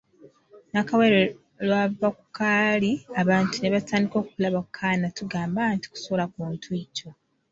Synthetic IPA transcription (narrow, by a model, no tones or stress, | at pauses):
nakaweɾe | lwavaku̥kaːliaβaːntune̞βatʰaːndiko̞ːkulaβakʰːaːnatuɡaːmbanti̥ku̥solakuːntʰwiːco̞